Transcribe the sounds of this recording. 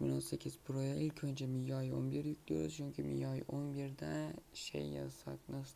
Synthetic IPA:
mḭlʲosakʲʰːɪzpʰʊɾojaɪlʲkʲʰont͡ʃʰamɪjɒjo̰nbɪɾjʊkʲd̪ḛt͡ʃʰʊŋkʲʰɪmɪ̰jɒjʔonbeɾd̪aʃḛjːa̰sa̰knɨs

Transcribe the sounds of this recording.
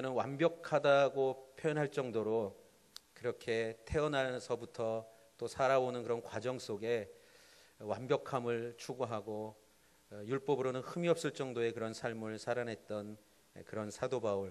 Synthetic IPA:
nɯnwambjʌkʰadaɡopʰjojʌnɦaɭt͡ɕ͈ʌŋdoɾo | kɯɾʌkʰe̞tʰe̞ʌnɦasʰʌbutʰʌ | t͈osʰaɾaonɯnkɯɾʌnkwad͡ʑʌŋs͈oɡe̞ | wambjʌkʰamɯɭt͡ɕʰuɡoɦaɡo | juɭp͈ʌbɯɾonɯnhɯmiʌp̚s͈ɯɭt͡ɕ͈ʌŋdoe̞kɯɾʌnsʰaɭmɯɭsʰaɾanɦe̞t̚t͈ʌn | kɯɾʌnsʰadobauɭ

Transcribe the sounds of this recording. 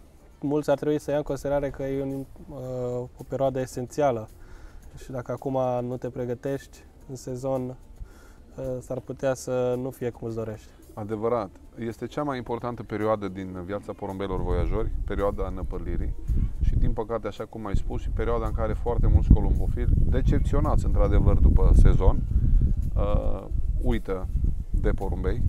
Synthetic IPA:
mult̪sʲart̪ɾebuisəjaɨŋkosid̪eɾaɾe̞kəjeun | opeɾioad̪əese̞nt̪sialə | ʃid̪akəakumanut̪e̞pɾe̞ɡət̪e̞ʃt̪ʲ | ɨnse̞zo̞n | sarput̪easənufije̞kumɨtsd̪o̞ɾe̞ʃt̪ʲ | ad̪e̞vəɾat̪ | je̞st̪e̞t͡ʃamajimpo̞rt̪ant̪əpe̞ɾioad̪əd̪invjat̪sapo̞ɾumbejilo̞rvo̞jaʒo̞rʲpe̞ɾioad̪anəpəliɾḭʃid̪inpəkat̪eaʃakumajspuspe̞ɾioad̪aɨŋkaɾe̞foart̪e̞mult̪sko̞lomofild̪e̞t͡ʃe̞p̚t̪sio̞nat̪sʲɨnt̪ɾad̪e̞vərd̪upəse̞zo̞n | ə | ujt̪əd̪e̞po̞ɾumbe̞j

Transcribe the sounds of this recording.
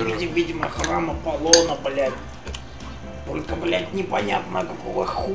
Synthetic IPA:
idʲɪvʲidʲɪməxraməpɐlˠonəblʲætʲ | t̪o̞lʲkəblʲætʲnʲɪpɐnʲat̪nəkɐkovəxu

